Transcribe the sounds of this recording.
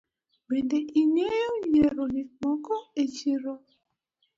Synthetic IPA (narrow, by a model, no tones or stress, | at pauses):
bendɛʔiɲejoɲeɾonimɔkɔet͡ʃiɾo